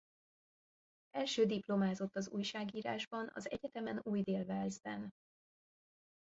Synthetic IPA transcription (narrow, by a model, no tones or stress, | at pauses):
ʔɛlʃøːd̪iplo̞maːzo̞t̪ːɒzṵːjʃaːɡiːɾa̰ːʒbɒnɒ̰zɛ̰ɟɛt̪ɛmɛnuːjd̪eːlvɛlzbɛn